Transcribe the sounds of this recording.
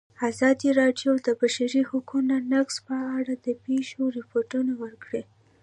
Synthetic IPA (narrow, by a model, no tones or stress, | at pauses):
azɑd̪iɾɑɖjod̪əbaʃaɾihʊkunanakspəaɽad̪̥əpeʃoɾɪpoɾʈunawəɾkɽe